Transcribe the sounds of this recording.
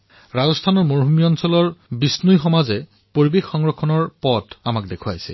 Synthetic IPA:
ɹazɔstʰanɔɹmoɹɦumiɔnsɔlɔɹbisnujxɔmazɛ | poɹibekxɔŋɹɔkʰːɔnɔɹpɔtamakdekʰua̰jsɛ̰

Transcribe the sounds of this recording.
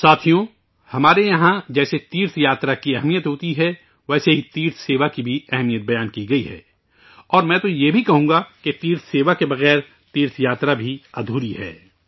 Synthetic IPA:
saːt̪ʰijõ | hɐmaːɾejɐɦãd͡ʒɛːset̪iːɾt̪ʰjaːt̪ɾakiɛɦmijət̪ɦoːt̪iɦɛ | ʋɛːseɦit̪iːɾt̪ʰseːʋakibʱiɛɦɛmijət̪̚bɐjaːnkiɡɐiɦɛ̰ː | ɔːɾmɛ̃t̪ojebʱikɐɦũːɡaket̪iːɾt̪ʰseːʋakebɐɣɛːɾ | t̪iːɾt̪ʰjaːt̪ɾabʱiɐd̪ʱuːɾiɦɛ̰ː

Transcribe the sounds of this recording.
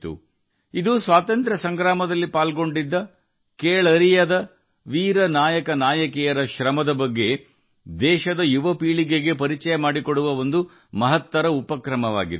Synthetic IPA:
t̪ṵ | id̪usʋaːt̪ɐnt̪ɾɐsɐŋɡɾaːmɐd̪ɐlːipaːlɡo̞ɳɖid̪ːɐ | keːɭɐɾijɐd̪ɐ | ʋiːɾɐnaːjɐkɐnaːjɐkɛjɐɾɐʃɾɐmɐd̪ɐbɐɡːe̞ | d̪ɛːʃɐd̪ɐjuʋɐpiːɭiɡeɡe̞pɐɾit͡ʃɐjɐmaːɽikoɽuʋɐo̞nd̪u | mɐɦɐt̪ʋɐɾɐupɐkɾɐmɐʋa̰ːɡid̪

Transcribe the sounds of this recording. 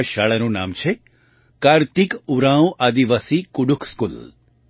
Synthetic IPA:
ʃaːɭanũna̰ːmt͡ʃʰe | kaːɾt̪ikuɾãwʔad̪iʋasikuɖukʰskul

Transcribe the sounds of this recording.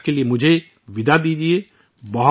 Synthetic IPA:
keliemʊd͡ʒʱe | ʋɪd̪ʱad̪iːd͡ʒie | bɔɦ

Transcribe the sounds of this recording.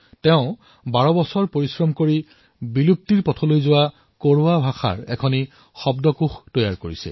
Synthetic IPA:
tɛʊ̃ | baɹɔbɔsɔɹpoɹisɹɔmkoɹi | bilup̚tiɹpɔtʰɔlojzʊwa | koɹuabʱaxʰa̰ɹɛkʰɔni | xɔbdɔkuxtɔjaɹkoɹisɛ̰

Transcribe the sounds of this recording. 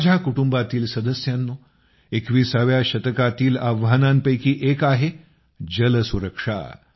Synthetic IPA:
d͡ʑʱakuʈumbat̪iːlsəd̪əsjanːo | ekʋiːsaʋjaɕət̪əkat̪iːlaʋɦənampəjkiːʔekaɦe | d͡ʑələsuɾəkʂa̰

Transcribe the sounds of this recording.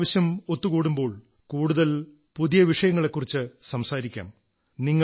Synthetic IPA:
ʋɐɕjɐmo̞t̪ːukuːɽumbo̞ːɭ | kuːɽuðɐl | puðijɐʋiʂɐjɐŋːɐɭe̞kːurit͡ɕːɨsɐmsaːɾikʲːa̰ːm | niŋːɐ

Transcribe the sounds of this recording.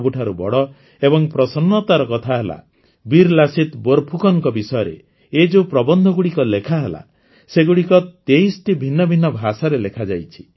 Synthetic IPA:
buʈʰaɾubɔ̰ɽɔ | ebɔŋpɾɔsɔnːɔt̪aɾɔkɔt̪ʰaɦela̰ | biɾlasit̪boɾpʰukɔŋkɔbisɔjɔɾḛ | ed͡ʒepɾɔbɔnd̪ʱɔɡuɽikɔlekʰaɦela̰ | seɡuɽikɔt̪ejsʈibʱinːɔbʱinːɔbʱasaɾelekʰad͡ʒajt͡ʃʰi̥

